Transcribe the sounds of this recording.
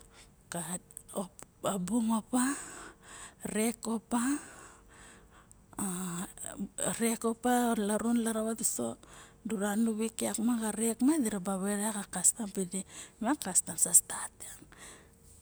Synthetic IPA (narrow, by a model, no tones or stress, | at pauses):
ka | oabuŋopa | ɾe̞ko̞pa | ɾeko̞paolaɾunlaɾaβatiso̰duɾanuβikeakmaɡaɾekmadiɾabaβeɾeakakastampidemakastansastataŋ